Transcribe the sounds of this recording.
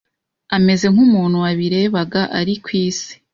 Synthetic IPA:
ame̞ze̞ŋ̥humuːn̥huwaβiɾe̞ːβaɡaʔaɾikwiːsi̥

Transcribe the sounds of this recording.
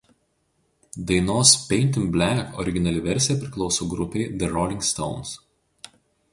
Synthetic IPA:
d̪ɐɪnoːspʲɛɪnʲt̪ʲɪnbʲlʲækɔ̰ɾʲɪɡʲɪnɐlʲɪʋʲɛɾʲsʲɪjɛpʲɾʲɪklˠɒʊsoːɡɾʊpʲɛɪd̪ʲɛɾɔlʲɪŋkst̪ɔ̰ʊns

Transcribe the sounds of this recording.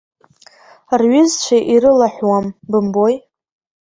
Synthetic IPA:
rɥʏzt͡ʃʷʰaʔiɾɨlaħʷwambɨmboj

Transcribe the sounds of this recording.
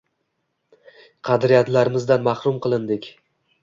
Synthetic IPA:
qʰɑd̪ɾijat̪laɾɪmɪzd̪anmɑhɾʊmqɨlˠɪnd̪ɪkʲ

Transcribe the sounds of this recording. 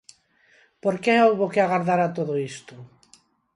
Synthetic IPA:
poɾkeowβokɪaɣaɾðaɾat̪oðoist̪ʊ

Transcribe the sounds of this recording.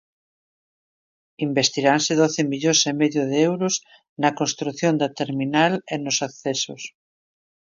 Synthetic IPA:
imbest̪iɾansɪðoθɪmiʎosemeðjoðeewɾʊs | nɐkõnst̪ɾuθjond̪ɐt̪eɾminalenosakθeso̰s

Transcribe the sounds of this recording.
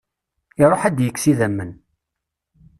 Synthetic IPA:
iɾˤoħæd̪jəkːsiðæmːən

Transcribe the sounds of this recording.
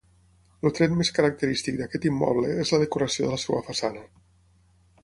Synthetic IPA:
lut̪ɾɛt̪meskəɾək̚t̪əɾist̪ik̚d̪əkɛt̪imːɔ̰β̞ləezləðəkuɾəsioðələsewəfasanə

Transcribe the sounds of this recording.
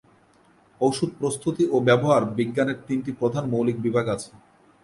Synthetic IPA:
owʃud̪̚pɾost̪ʰut̪iʔobɛboɦaɾbiɡːaneɾt̪inʈipɾod̪ʱanmowlik̚bibʱaɡat͡ɕʰe̥

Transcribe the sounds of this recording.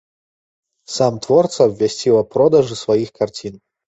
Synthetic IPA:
samt̪vɔrt̪sɐvʲɛsʲtʲilˠɐpɾɔd̪aʐɨsvajixkart͡sʲin

